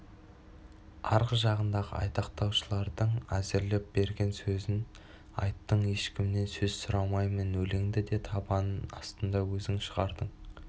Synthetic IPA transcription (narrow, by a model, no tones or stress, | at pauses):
ɑɾʁəzʒɑʁənd̪ɑʁə̰ɑ̰jt̪ɑqt̪ɑwʃəlˠɑɾd̪əɴæzɪɾlɪp̚b̥e̞ɾɡʲe̞nsɵzɪn | ɑ̰jt̪ːəɴje̞ʃkʲɪmne̞nsɵzsʊɾɑmɑjmənwɵlɪŋd̪ɪd̪e̞t̪ʰɑbɑnənɑ̰st̪ənd̪ɑwɵzɪŋʃəʁɑɾd̪əɴ